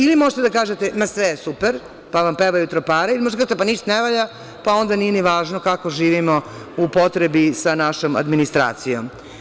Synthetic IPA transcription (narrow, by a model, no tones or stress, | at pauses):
ilimoʒet̪ed̪akaːʒet̪emasʋeesupeɾ | paʋampeʋajut̪ɾopaːɾailimoʒd̪akaʒet̪epaniʃt̪oneʋaʎa | pao̞nd̪anijeniʋaːʒnokako̞ʒiːʋimo̞ | upo̞t̪ɾebisanaʃoma̰d̪minist̪ɾa̰ːt̪sijo̰m